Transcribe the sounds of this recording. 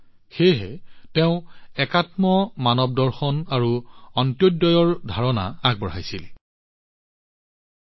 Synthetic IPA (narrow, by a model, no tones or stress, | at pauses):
xejɦɛ̰teʊ̃ɛkatmɔmanɔb̚dɔɹxɔnaɹuɔntjodɔjɔɹdʱaɹɔna̰aɡ̚bɔɹajsil